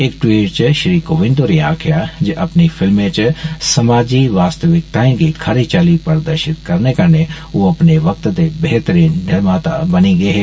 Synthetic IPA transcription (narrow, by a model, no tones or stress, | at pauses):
eːkʈwiːʈt͡ʃəʃɾiːkoːʋɪ̃nd̪oɾiaːkʰɪjad͡ʒeʔɐpnifʰɪlmẽt͡ʃsɐmaːd͡ʒiʋaːst̪əʋɪk̚t̪aːẽɡikʰɐɾit͡ʃaːlipəɾd̪əɾʃɪt̪kɐɾnekɐɾne | oːɐpneʋɐk̚t̪d̪ebɛɦt̪əɾiːnnɪɾmaːt̪abɐniɡɐeɦɛː